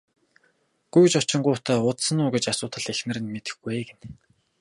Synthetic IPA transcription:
ɡ̥ujt͡ɕʊt͡ɕɪ̆ɴɢʊːʊt̪ʰæːʊt̪sə̆nʊːɡĕt͡ɕasʊːt̪ə̆ɮexnɘ̆rɘ̆nmet̪ɘ̥̆xɡueɡen

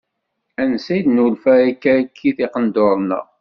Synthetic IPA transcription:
ænsid̪nulfæɾikːækʰːiθiqənd̪oɾˤnə̰ʁ

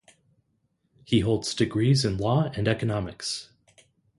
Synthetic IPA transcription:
hiɦoʊlˠdz̥dɨɡɹizɨ̃nlɔɨ̃nɛkɨnɑmɨks

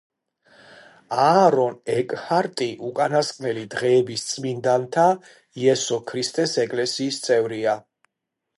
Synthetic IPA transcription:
aɾɔnɛkʼhaɾt̪ʼiʔukʼanaskʼnɛlid̪ʁɛːbist̪sʼmind̪ant̪ʰa | iɛsɔkʰɾist̪ʼɛsɛkʼlɛsiːst̪sʼɛvɾia

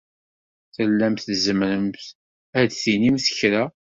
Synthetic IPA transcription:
θəlːæmθzəmɾəmθ | æd̪θinimθəçɾæ

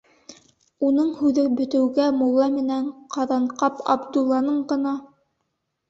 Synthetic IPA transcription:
unɤɴhʉðɘbɵ̆t̪ɘ̆wɡæmulˠːɑmɘ̆næɴqɑðɑɴqɑpɑ̰bd̪ulˠːɑnɤɴɢɤ̆nɑ

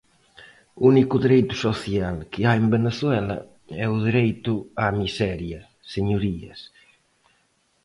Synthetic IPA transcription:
unikuðiɾejt̪usoθjalkeaembeneθwɛlɐ̰ | ɛuðiɾɛjt̪uamisɛɾjɐ | seɲuɾiɐ̰s

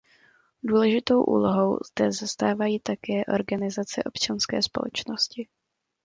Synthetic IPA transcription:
duːlɛʒɪt̪o̞wʔṵːlo̞ɦo̞wzd̪ɛzast̪aːvajiːt̪akɛːʔo̞̰ɾɡanɪzat͡sɛ̰ʔo̞̰pt͡ʃanskɛ̰ːspo̞̰lɛ̰t͡ʃno̞scɪ

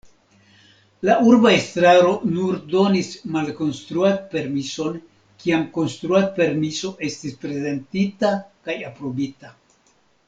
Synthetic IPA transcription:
laʔuɾbaestɾaɾo̞nuɾdo̞nismalko̞nst̪ɾuanpe̞ɾmiso̞n | kiamko̞nst̪ɾuape̞ɾmiso̞ʔe̞stispɾe̞ze̞ntitakajapɾo̞bita

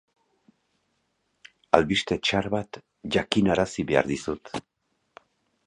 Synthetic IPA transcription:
alβist̪e̞t͡ʃaɾβat̪ | ʝakinaɾasiβe̞a̰ɾðisut̪

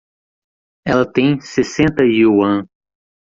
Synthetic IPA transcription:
ɛlɐt̪ẽj̃sesẽnt̪ɐiwɐ̃

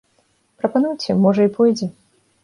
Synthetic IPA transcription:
pɾɐpanujt͡sʲɛmɔʐɐipʰɔjd͡zʲɛ

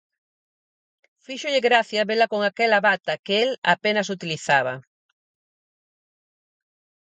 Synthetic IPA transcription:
fiʃoʎɪɣɾaθjaβelakoŋakɛlaβat̪akeela̰penas̬ut̪iliθaβɐ

